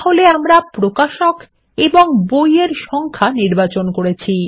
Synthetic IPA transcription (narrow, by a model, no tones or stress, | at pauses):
ɦoleamɾapɾokaʃok | eboŋbojeɾʃɔŋkʰaniɾbat͡ɕonkoɾet͡ɕʰi